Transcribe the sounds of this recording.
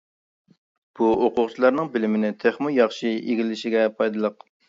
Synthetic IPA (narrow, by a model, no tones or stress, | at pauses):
b̥uoqʊʁt͡ʃʰilˠɑɾnɨŋbɪlɪmɪnɪt̪ʰeχmujɑχʃieɡʲilɪʃɪɡʲɛpʰɑjd̪ɨlˠəq